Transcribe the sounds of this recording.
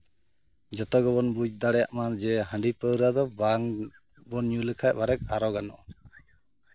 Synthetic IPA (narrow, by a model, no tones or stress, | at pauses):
d͡ʒɔt̪ɔɡɔbɔnbud͡ʒd̪aɽɛja̰ʔmaɾd͡ʒɛɦəɳɖipəɾad̪ɔbaŋ | bɔnɲuləkʰajbaɾɛk̚aɾɔɡanɔʔ